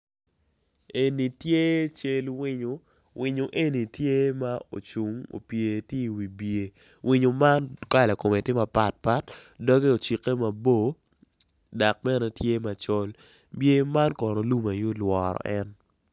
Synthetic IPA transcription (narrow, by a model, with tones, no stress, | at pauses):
e˨ni˨tje˦t͡ʃe˦lwɪ˦ɲo˨ | wɪ˨ɲo˨ʔe˦ni˨tje˦ma˦o̰˨t͡ʃu˨ŋo̰˨pje˨te˦i˨wi˨bje˨ | wʔɪ˦ɲo˨ma˦nka˦la˨ko˨me˨tɪ˦ma˨pa˨t̚pa˦tdɔ˦ɡe˦o˨t͡ʃi˨ke˦ma˨bo˦˨ | da˨k̚mɛ˦nɛ˨tje˦ma˨t͡ʃo˦l | bje˦ma˦nkɔ˨nɔ˨lu˦ma˨jo˦lwɔ˨ɾɔ̰˨ʔɛ˦n